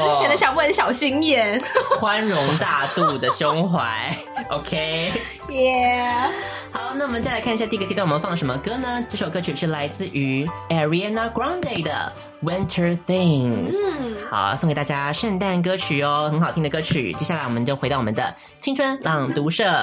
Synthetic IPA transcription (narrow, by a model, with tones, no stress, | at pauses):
ɛ˧˥nd̪ə˧˩ɕjɑ˨˩ŋpu˥˩ə˧˩˥ɕjɑ˨˩ʊɕi˥ŋjɛ˥˩nxwa˦nɻʊ˧˥ŋt̪a˥˧t̪u˥˩d̪ə˩ɕjʊ˥ŋxwa˧˦ɪ | ʔo˧kʰe˥ɪ | jɛ˥ | xɑ˨˧˦ʊna˥˩wɔ˨mə˦t͡ɕa˥˩lɪkʰa˥˩˧ɕja˥˧t̪i˥˧˥t͡ɕi˧˥˧wwɔ˨˩m˧˦˧fɑ˥˩lə˩ʂə˧˥mə˧kɤ˥nə˧ʈ͡ʂə˥˩˧ʂo˨˩kɤ˥t͡ɕʰy˨˩ʂɻ̩˥˩la˧˥ɪt͡sɹ̩˥˩ʔy˧˥ɛ˨˩ɹi˧a˥˧na˧ɡɹa˥ʊnd̪e˥˩ɪd̪ə̰˩ | wɪ˥˦ntʰə˞˧θɪ˥˧ŋsxa̰˧˦ʊso˥˧ŋkt̪a˥˧t͡ɕja˥ʂə˥˧nt̪a˥˩nk̬ɤ˥t͡ɕʰy˨˩ɔ˧xə˧˥ŋxɑ˨˩ʊt̪i˥ŋd̪ə˩kɤ˥t͡ɕʰy̰˨˩t͡ɕjɛ˥ɕja˥˩la˧˥wɔ˨˩mə̃˦nt͡ɕjo˥ʊxe˧˥t̪ɑ˥˩wɔ˨˩mə̰̃˦nd̪ə̰˧ | t͡ɕʰi˥ŋʈ͡ʂʰwə˥nlɑ˨˩ŋt̪u˧˥ʂɤ˥˩